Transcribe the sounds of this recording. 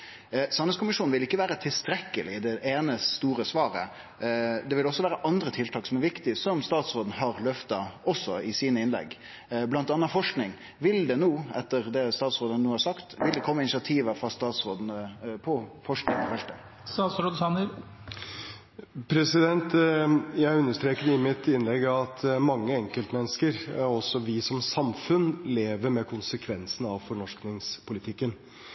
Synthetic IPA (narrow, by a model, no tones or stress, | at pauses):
sɑnəskʰʊmɪʂuːnʋɪlɪkːəʋæːɾət̪ʰɪlst̪ɾɛkːəlɪd̪ɛʔeːnəst̪uːɾəsʋɑːɾə̰ | d̪ɛʋɪlɔsːɔʋæːɾəʔɑnd̪ɾət̪ʰɪlt̪ʰɑːksɔmæɾʋɪkt̪ɪsɔmst̪ɑːt̪sɾoːd̪n̩ɦɑɾlœft̪ɑɔsːɔɪsiːnəɪnlɛ̰ɡ | blɑnt̪ɑnːɑfɔʂknɪŋ | ʋɪld̪ɛnuːɛt̪ːəɾd̪ɛst̪ɑːt̪sʁoːd̪ənənuːhɑɾsɑkt̪ʋɪld̪ɛkʰɔmːəɪnɪsɪɑt̪ʰiːʋəfɾɑst̪ɑːt̪sɾoːd̪ənəpʰɔfɔʂknɪŋpʰɔfɛlt̪ə | st̪ɑːt̪sɾod̪sɑnə | pʰɾɛsɪd̪ɛnt̪jæɪʉnːəʂt̪ɾeːkəd̪ɪmɪt̪ɪnlɛɡːɑʋɑt̪mɑŋːəɛŋkəlt̪mɛnːəskəɾɔsːɔʋɪsɔmsɑmfʉnleːʋəɾmɛkʰʊnsəkʰʋɛnsən̩ɑʋfɔɳɔʂknɪŋspʰʊlɪt̪ʰɪkːən